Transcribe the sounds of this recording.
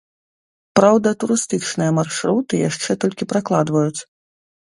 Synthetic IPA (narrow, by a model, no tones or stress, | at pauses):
pɾawd̪ɐt̪uɾɨst̪ɨt͡ʂnɨjɐmarʂɾut̪ɨja̰ʂt͡ʂɛt̪ɔlʲkʲipɾaklˠad̪vɐjut̪sɐ